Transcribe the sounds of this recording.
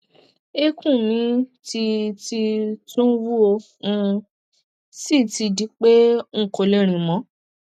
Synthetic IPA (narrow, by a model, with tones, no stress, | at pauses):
e˦kũ˦˨mĩ˨˦ti˧ti˧tũ˦wu˦o˧ | ũ˧ | si˦˨ti˧di˨˦k͡pe˦ŋ̩˦˨ko˨le˧˦ɾ̃ĩ˨mɔ̃˨˦